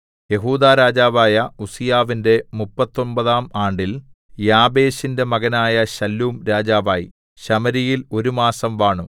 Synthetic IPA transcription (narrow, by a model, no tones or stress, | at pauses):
je̞ɦuːd̪aːɾaːd͡ʑaːʋaːjɐusijaːʋinde̞mupːɐt̪ːombɐðaːmaːɳɖil | jaːbe̞ːɕinde̞mɐɣɐnaːjɐɕɐlːuːmɾaːd͡ʑaːʋaːjḭ | ɕɐmɐɾijilo̞ɾumaːsɐmʋaːɳu